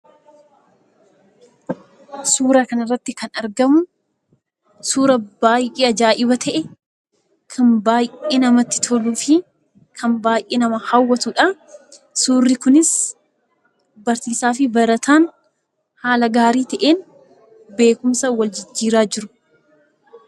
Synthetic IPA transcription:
suːɾɐkɐnɐrːɐt̪ːɪkɐnɐɾɡɐmʊ | suːɾɐbaːjʔiːɐd͡ʒaːʔɪbɐt̪ʰɛʔɛ | kʰɐnbaːjʔeːnɐmɐt̪ːɪ̥t̪ʰɔluːfɪ | kʰɐmbaːjʔeːnɐmɐhɐwːɐt̪uːᶑa | suːrːɪkʊnɪs | bɐɾsiːsaːfɪbɐɾɐt̪ʰaːn | haːlɐɡaːɾiːt̪ɐʔeːn | be̞ːkʊmsɐwɐld͡ʒɪd͡ʒːiːɾaːd͡ʒɪɾʊ̥

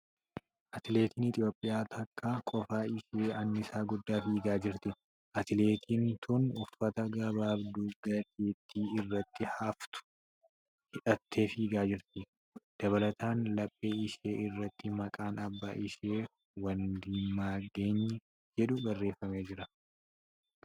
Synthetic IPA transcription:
ʔɐt̪ɪle̞ːt̪iːnɪt̪ʼɪjo̞ːpʼːɪjaːt̪ʰɐkʰːakʼɔfaːɪʃe̞ːɐnːɪsaːɡʊd̪ːaːfiːɡaːd͡ʒɪɾt̪ɪ | ʔɐt̪ɪle̞ːt̪ʰiːnt̪ʰʊnʊfːɐt̪ɐɡɐbaːbd̪uɡɐd̪eːt̪ʰːiːɪrːɐt̪ːɪhaft̪ʊ̥ | hɪᶑɐt̪ʰːe̞ːfiːɡaːd͡ʒɪɾt̪ɪ | d̪̥ɐβɐlɐt̪aːnlɐpʼːeːɪʃe̞ːɪrːɐt̪ːɪmɐkʼaːnɐbːaːʔɪʃeː | wɐnd̪ɪmːaːɡe̞ːɲːɐ | d͡ʒɛᶑʊbɐrːe̞ːfːɐme̞ːd͡ʒɪɾɐ

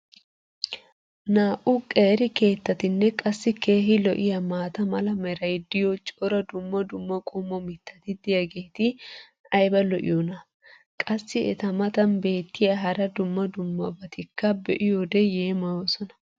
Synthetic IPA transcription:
naːʔʊkʼeːɾɪke̞ːt̪ːɐt̪ɪnːɛkʼɐsːɪke̞ːɦɪlɔʔɪjɐmaːt̪ɐmɐlɐmɛɾɐjd̪ɪjot͡ʃʼɔɾɐd̪ʊmːɐd̪ʊmːɐkʼʊmːɔmɪt̪ʰːɐ̥t̪ɪd̪ɪjɐɡeːt̪ɪ | ɐjbɐlɔʔɪ̰jɔnɐ | kʼɐsːɪɛt̪ɐmɐt̪ɐnbe̞ːt̪ːɪjɐɦɐɾɐd̪ʊmːɐd̪ʊmːɐ̰bɐt̪ɪkːɐbɛʔɪjod̪ɛjeːmɐjoːsɔnɐ̥

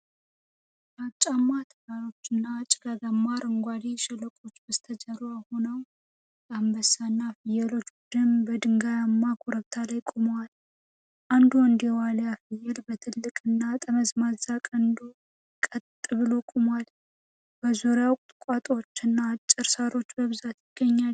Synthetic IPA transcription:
bat͡ʃʼːamːat̪ʰɨɡaɾo̞t͡ʃːɨnːat͡ʃʼɪɡaɡamːaɾɨŋɡʷad̪iʃɛlːəkʼo̞t͡ʃːbəst̪ʰəd͡ʒəɾojahonəw | jambəsanːafɨjɛlo̞t͡ʃːbud̪ɨmbəd̪ɨŋɡajamːakʼoɾəβt̪ʰalajkʼumwal | ʔand̪uwɔnd̪jɛwaljafɨjɛlbət̪ʰɨlːɨkʼɨnːat̪ʼəməzmazakʼənd̪u | kʼət̪ʼːɨβɨlokʼumwal | b̥əzoɾjawkʼt̪ʼɨkʼat̪ʼo̞t͡ʃːɨnːat͡ʃʼːɨɾsaɾo̞t͡ʃːbəβɨzat̪jɪɡ̥ːəɲːal

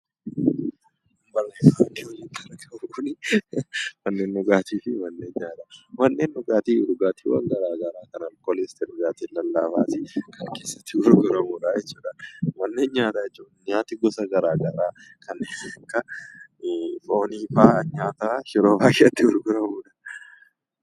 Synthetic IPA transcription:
mbɐlɐjaɐniːhɔd͡ʒiːŋkʰɐɾɐkɐkʊnɪ | mɐnːeːnːɔɡaːt̪ʰiːfɪmɐnːeːɲɲaːt̪ɐmɐnːeːnːʊɡaːt̪iːᶑʊɡaːt̪ḭwɐ̰ŋɡɐɾaːɡɐɾaːkɐnɐlkoːlɛst̪ɛᶑʊɡaːt̪iːnlːɐlːaːfaːt̪ɪkɐnke̞ːsːɐ̥t̪ːɪʊɾɡʊɾɐmuːᶑɐjɛt͡ʃːuːᶑɐmɐnːe̞ːɲɲaːt̪ɐjɛt͡ʃːuːᶑɲaːt̪ɪɡɔsɐɡɐɾaːɡɐɾaː | kʰɐnːeːnɐkːɐ | fo̞ːniːfaːɲaːt̪aʃɪɾoːbaːjɪɐt̪ːɪʊɾɡʊɾɐmuːᶑɐ̥

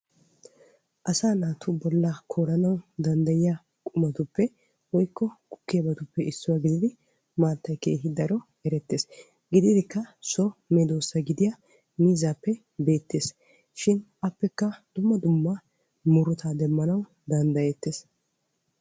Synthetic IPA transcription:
ʔɐsaːnaːt̪ʰubɔlːɐkʰoːɾɐnɐwd̪ɐnd̪ɐjɪja | kʼʊmɐt̪ʊpːɛ | wɔjkʰːɔkʊ̥kːɪjɐbɐt̪ʊpːɛɪsːʊwɐɡɪd̪ɪd̪ɪ | maːt̪ːɐjke̞ːɦɪd̪ɐɾɔ | ɛɾɛt̪ːe̞ːs | ɡɪd̪ɪd̪ɪkːɐsɔmed̪oːsːɐɡɪd̪ɪjɐ | miːzaːpːɛ | be̞ːt̪ːe̞ːs | ʃɪnʔɐpːɛkːɐd̪̥ʊmːɐd̪ʊmːɐ | mʊɾʊt̪ʰaːd̪ɛmːɐnɐw | d̪ɐnd̪ɐjɛt̪ːeːs

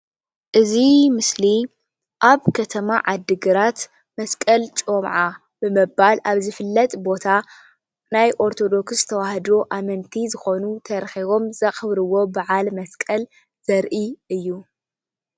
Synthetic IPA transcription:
ʔɨzimɨsli | ʔaβkʰɐt̪ʰɐmaʕad̪ːɨɡɨɾat̪ | mɐskʼɐlt͡ʃʼomʕa | b̥ɨmɨbalʔaβzɨfɨlːɐt̪ʼbo̞t̪ʰa | najʔo̞ɾt̪ʰo̞d̪o̞ksɨt̪ʰɐwahd̪oʔamɐnt̪ʰizɨxo̞nut̪ʰɐɾxiβo̞mzɐxɨβɾɨwo̞baʕalmɐskʼɐl | z̥ɐɾʔiɨjːu

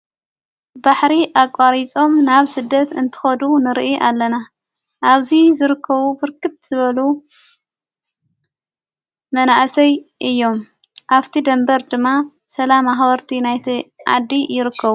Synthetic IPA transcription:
baħɾiʔakʼːaɾit͡sʼo̞mnaβsɨd̪ːɐt̪ɨnt̪ʰɨ̥xɐd̪unɨɾʔiʔalːɐna | ʔaβzizɨɾɨkʰːɐβubɨɾkʰɨt̪̚z̥ɨβɐlu | mɐnaʔsɐjʔɨjːo̞m | ʔaβt̪ʰid̪ɐmbɐɾd̪ɨmːa | sɐlamaxβɐɾt̪ʰinajt̪ʰiʕa̰d̪ːijɪɾɨkʰːɐβu

